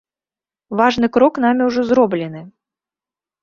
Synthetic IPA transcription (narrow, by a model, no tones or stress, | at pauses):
vaʐn̪ɨkɾɔknamʲiwʐɔzɾɔblʲɪn̪ɨ